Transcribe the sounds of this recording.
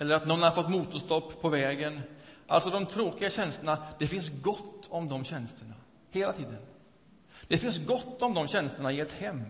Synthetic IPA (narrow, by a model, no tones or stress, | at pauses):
ɛlːəɾat̪nɔnːhaɾfɔt̪ːmuːt̪ʊst̪ɔpːpʰːɔvɛːɡənʔa̰lsɔd̪ɔmt̪ʰɾoːkɪɡaɕɛnst̪əɳad̪̥ɛfɪnsɡɔt̪ːɔmd̪ɔmɕɛnst̪əɳa | heːlat̪ʰiːd̪ən | d̪̥ɛfɪnsɡɔt̪ːɔmd̪ɔmɕɛnst̪əɳaɪɛt̪hɛmː